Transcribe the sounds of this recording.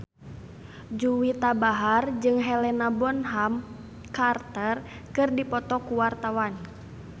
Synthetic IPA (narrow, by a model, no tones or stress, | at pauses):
d͡ʒuwit̪abaɦard͡ʒɨŋɦɛlɛnabɔnɦam | kart̪ər | kɨrdipɔt̪ɔkuwart̪awan